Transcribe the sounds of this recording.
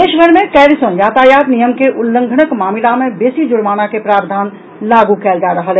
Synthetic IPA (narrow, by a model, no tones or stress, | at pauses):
eʃbʱəɾmekɛɾisonjaːt̪ajat̪nijəmkeʔulːə̃ŋɡʱənəkmaːmilamebesid͡ʒʊɽmaːnakepɾaːbd̪ʱaːn | laɡukɛːld͡ʒaɾəɦəl